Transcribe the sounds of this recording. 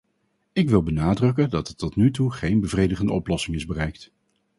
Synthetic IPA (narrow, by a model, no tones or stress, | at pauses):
ɪkʋɪlˠbənaːdrɵk̬əndɑtətːɔtnytuχejnbəvrejdəχəndəɔplɔsɪŋɪzbərɛjkt